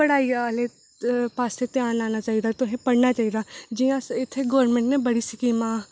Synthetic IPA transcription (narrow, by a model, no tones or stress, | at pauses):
əɽaːiale | paːst̪et̪ɪjaːnlaːnat͡ʃaːid̪at̪oɦẽpɐɽnat͡ʃaːid̪aːd͡ʒijãɪt̪ʰːeɡoːɾmẽɳʈnẽbəɽisɪkiːmãː